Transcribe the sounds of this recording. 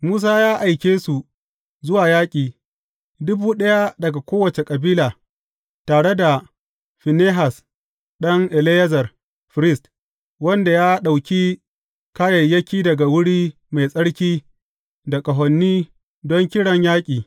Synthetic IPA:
muː˦s̬aː˦jaː˦ʔa˨jkʲeː˦su˨ | zʊ˦waː˨jaː˦kʲʼiː˨ | dʊ˦buː˦ɗɐ˦ja˦dɐ˨ɡa˨kʷoː˦wɐ˨t͡ʃe˨kʼɐ˨biː˦laː˨ | taː˨ɽe˦da˨ | ɸi˨neː˦ɦa˨s | ɗɐ˦ŋʔɛ˨le˦jɐ˦zɐ˨r | ɸɪ˨ɾɪ˦st | wɐ˦nda˨jaː˦ɗa˨wkʲi˦ | ka˦jɐ˨jːɐ˦kʲiː˦dɐ˨ɡa˨wʊ˦ɽiː˦ | ma˨jsʼɐ˦ɽkʲiː˦ | da˨kʼɐ˨ɦɔ˨nːiː˦ | dɔ˦ŋkʲɪ˦ɽɐ˨ɲjaː˦kʲʼiː˨

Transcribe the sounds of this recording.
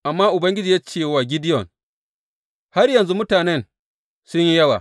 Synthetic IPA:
ʔa˨mːaː˦ʔʊ˨bɐ˦ŋɡʲɪ˦d͡ʒiː˨ja˦t͡ʃeː˦˨waː˨ɡʲɪ˦dɪ˦ɔ̰˨n | ha˦ɾjɐ˨nzu˦mʊ˦taː˨nɛ˦n | sʊ˦ɲji˦jɐ˦wa̰ː˨

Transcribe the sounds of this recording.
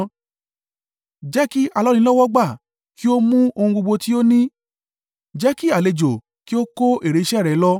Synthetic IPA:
d͡ʒɛ˦ki˦ʔa˨˧lɔ˦lĩ˧˦lɔ˦wɔ˦ɡ͡ba˦˨ | ki˦o˦mũ˦o˧hũ˧ɡ͡bo˧ɡ͡bo˧ti˦o˦nĩ˦ | d͡ʒɛ˦ki˦a˨le˨d͡ʒo˨ | ki˦o˦ko˦ʔe˨ɾe˨i˧˦ʃɛ˦˨ɾɛ˨˦lɔ˦

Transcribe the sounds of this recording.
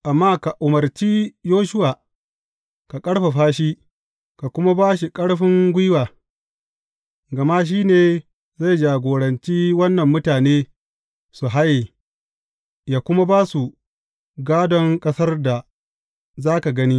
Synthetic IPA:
ʔa˨mːaː˦ka˨ʔʊ˨mɐ˨rt͡ʃi˦joː˦ʃʊ˦waː˨ | ka˨kʼɐ˦ɽɸa˨ɸaː˦ʃi˦ | ka˨kʷʊ˦ma˦baː˦ʃ̬i˨kʼɐ˦ɽɸɪ˦ŋɡʷɪ˦waː˨ | ɡɐ˨maː˦ʃ̬iː˦neː˨ | za˦˨jd͡ʒaː˨ɡʷoː˨ɽɐ˨nt͡ʃi˦wɐ˦nːɐ˨mːʊ˦taː˨neː˦ | su˨ɦa˦jeː˨ | jaː˨kʷʊ˦ma˦baː˦su˨ | ɡaː˦dɔ˦ŋkʼɐ˦sɐ˦rda˨ | zaː˦ka˨ɡɐ˦ni˦

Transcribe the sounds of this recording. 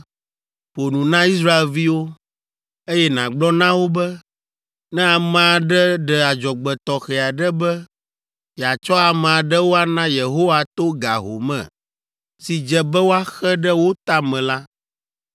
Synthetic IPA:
ɸo˨nũ˨nã˦i˦s̬ɾa˦e˨lvi˦wo˦ | e˦jɛ˦nã˨ɡ͡blɔ˦nã˦wo˦bɛ˦ | nɛ̃˦a˨mɛ̃˨a˨ɖɛ˦ɖɛ˨a˨d͡ʒɔ˨ɡ͡bɛ˨t̪ɔ˨xɛ˨a˨ɖɛ˦bɛ˦ | jɛ˨a˨t͡ʃɔ˦a˨mɛ̃˨a˨ɖɛ˦wo˦a˦nã˦je˨ɦo˦wa˨t̪o˦ɡa̰˨ɦo̰˨mɛ̰̃˨ | si˨d͡ʒɛ˨bɛ˦wo˦a˦xɛ˦ɖɛ˦wo˦t̪a˦mɛ̃˨la˦

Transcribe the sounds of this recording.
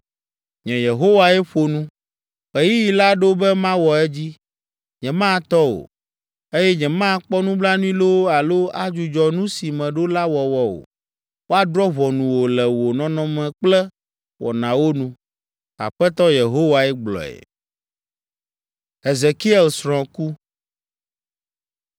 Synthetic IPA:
ɲɛ̃˨je˨ɦo˦wa˨ɛ˦ɸo˨nũ˦ | ɛ˨ji˦ji˨la˦ɖo˦bɛ˦mã˦wɔ˨ɛ˦d͡ʑi˦ | ɲɛ̃˨mã˦˨t̪ɔ˦wo̰˨ | e˦jɛ˦ɲɛ̃˨mã˦˨˦k͡pɔ˦nũ˦bla˦nũ˦ĩ˦lo˦a˨lo˦a˦d͡ʒu˨d͡ʒɔ˨nũ˦si˨mɛ̃˨ɖo˦la˦wɔ˨wɔ˦wo̰˨ | wo˦a˨d̪ɾɔ˦βɔ˨nũ˨wo˨lɛ˨wo˨nɔ̃˦nɔ̃˦mɛ̃˨k͡plɛ˦ | wɔ̰˨nã˨wo˦nũ˦ | a̰˨ɸɛ˦t̪ɔ˦je˨ɦo˦wa˨ɛ˦ɡ͡blɔ̰˨ɛ̰˨ | e˨ze˨ki˦ɛ˨lsɾɔ̃˨ku˦

